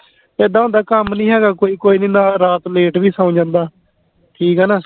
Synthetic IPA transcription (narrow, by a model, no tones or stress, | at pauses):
eːd̪ãːõːnd̪aːkəmnĩːɦɛːɡaːkoːiːkoːiːnĩːnaːɾaːt̪leːʈʋiːsãʊ̃d͡ʒãːnd̪aː | ʈʰiːkɦɛːnaː